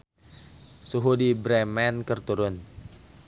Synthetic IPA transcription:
suɦudibɾɛmɛnkərt̪uɾʊn

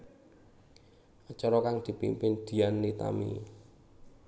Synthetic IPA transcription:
ʔət͡ʃɔɾɔkaŋd̪̥i̤pḭmpɪnd̪̥i̤anːit̪a̰mḭ

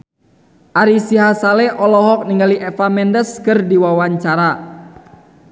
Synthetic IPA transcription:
ʔaɾisiɦasaleʔɔlɔɦɔk̚niŋɡaliʔɛfamɛndəskərdiwawaɲt͡ʃaɾa

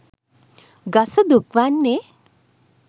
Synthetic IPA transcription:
ɡɐsəd̪ukʋanːe

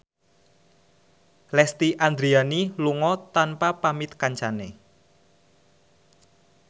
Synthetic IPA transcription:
lɛst̪iʔand̪ɾianiluŋɔt̪anpapamit̪̚kaɲt͡ʃane

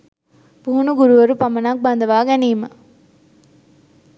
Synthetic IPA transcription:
puɦunuɡuɾuʋɐɾupɐmɐnaːk̚bɐnd̪ɐʋaːɡɛniːmɐ

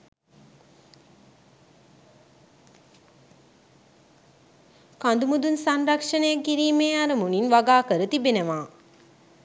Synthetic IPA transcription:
kand̪umud̪unsanrakʂənəjakːiɾiːmeːaɾəmuninʋaɡaːkəɾət̪ibenəʋaː

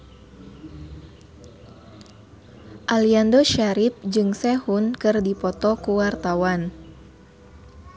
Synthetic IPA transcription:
ʔaliandoʃaɾip̚d͡ʒɨŋsɛhunkɨrdipɔt̪ɔkuwart̪awan

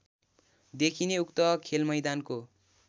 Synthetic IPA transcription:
d̪ekʰineukt̪ʌkʰelmʌjd̪anko

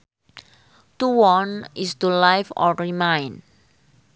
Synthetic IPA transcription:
t̪uwɔnist̪ulajfɔ̰ɾimãjn

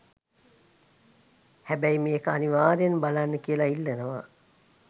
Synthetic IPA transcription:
hæbæjimeːkəaniʋaːɾeenbalanːəkiəlailːenəʋa̰

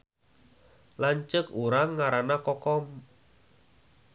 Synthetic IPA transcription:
laɲt͡ʃəkuɾaŋːaɾanakɔkɔm

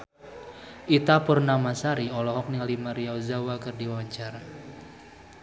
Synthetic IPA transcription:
ʔit̪apərnamasaɾiɔlɔɦɔk̚nialimaɾiawzawakɨrdiwawaɲt͡ʃaɾa

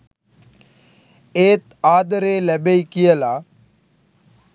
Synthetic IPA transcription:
eːt̪aːd̪əɾeːlɐbejkijəlaː

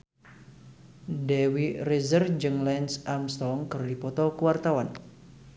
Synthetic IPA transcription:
dɛwirizərd͡ʒɨŋlɛnsamst̪ɔŋkɨrdipɔt̪ɔkəwart̪awan

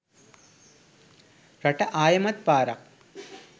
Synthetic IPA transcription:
rɐʈɐʔaːjɐmɐt̪̚paːɾɐq̚

